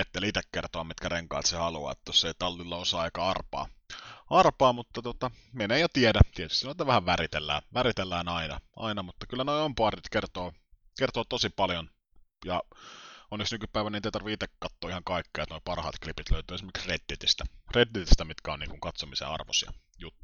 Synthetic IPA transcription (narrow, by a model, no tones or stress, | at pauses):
et̪ːeːlit̪ekːert̪oɑmit̪kæreŋkɑ̰ːlt̪sehɑluɑ̰ːḛt̪ːæjoseit̪ɑlːilːɑosɑːɑikɑɑrpɑ̰ːɑrpɑːmut̪ːɑt̪uot̪ɑmeneijot̪iedæt̪iet̪yst̪inoit̪æʋæhæʋʋæɾit̪elːæ̰ːʋæɾit̪elːæːnɑinɑ̰ʔɑ̰inɑmut̪ːɑkylːænoiompoɑrit̪kert̪oː | kert̪oːt̪osipɑljon | jɑ | onːeksnykypæˑiʋænint̪eˑit̪ɑrʋiit̪ekkɑt̪ːoːihɑŋkɑikːeːet̪noipɑrhɑ̰ːt̪klipit̪løyt̪yːesimerki̥sred̪ːit̪ist̪æret̪ːit̪ist̪æmit̪kæoniːŋkuŋkɑt̪somisḛɑ̰rʋo̰sjɑ̰jut̪ːu̥